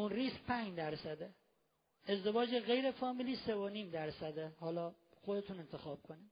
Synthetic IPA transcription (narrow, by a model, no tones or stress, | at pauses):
unriːsk̚pʰænd͡ʒd̪æɾsæd̪e | e̞zd̪e̞vɒːd͡ʒeɣe̞jɾefɒːmiliːsevoniːmd̪æɾsæd̪ehɒːlɒːxod̪et̪ʰuːne̞nt̪ʰe̞xɒːb̥̚kʰoniːd